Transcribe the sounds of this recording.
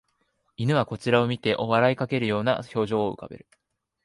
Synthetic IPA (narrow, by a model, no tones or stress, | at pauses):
inɯ̟βako̞t͡ɕiɾao̞mʲit̪e̞ʔo̞βaɾaikake̞ɾɯ̟jo̞ːna̰ço̞ːʑo̞ːɯ̟̰ka̰be̞̰ɾɯ̟